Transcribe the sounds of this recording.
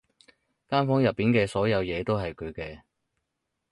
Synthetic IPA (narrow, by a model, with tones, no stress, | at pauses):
kaː˥nfɔː˨˥ŋjɐ˨˩pːiː˨˥nkɛː˧sɔː˨˥jɐ˨˧wjɛː˨˧t̪o˥wɦɐ˨jkʰɵ˨˧ɥkɛː˧